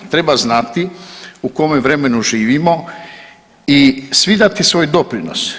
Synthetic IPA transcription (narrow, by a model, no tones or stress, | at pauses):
t̪ɾe̞baznat̪iuko̞meʋɾe̞me̞nuʒiːʋimo̞ | isʋid̪at̪isʋo̞ːjd̪o̞pɾino̰s